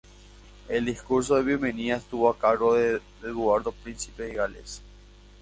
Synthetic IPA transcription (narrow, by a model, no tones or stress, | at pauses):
eld̪iskuɾs̬oðeβjemeniaest̪uβoakaɾɣoðeðeðwaɾðopɾinsi̥peðiɣalḛs